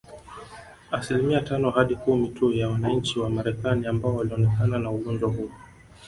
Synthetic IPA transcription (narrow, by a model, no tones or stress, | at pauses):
asilimiatanɔhaɗikumitujawanaɲ̩t͡ʃiwamaɾɛkaniambaɔwaliɔnɛkananauɠɔnd͡ʒwaɦu